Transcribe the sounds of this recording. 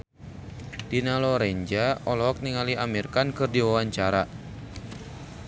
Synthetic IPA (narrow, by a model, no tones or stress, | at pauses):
d̥inalɔɾɛɲd͡ʒaɔlɔɔk̚niŋaliʔamirkankɨrdiwawaɲt͡ʃaɾa